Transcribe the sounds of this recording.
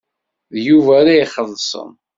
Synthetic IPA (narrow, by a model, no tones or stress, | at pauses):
ðjuvæɾajχəðˤsə̰m